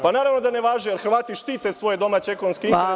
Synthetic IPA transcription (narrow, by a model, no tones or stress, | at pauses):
panaːɾaʋnod̪aneʋaːʒijeɾxɾʋaːt̪iʃt̪iːt̪esʋo̞jed̪o̞maːt͡ɕeekonskii